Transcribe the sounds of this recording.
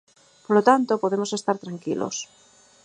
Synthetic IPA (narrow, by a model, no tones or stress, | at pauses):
polot̪ant̪opoðemosest̪aɾt̪ɾaŋkilʔo̰s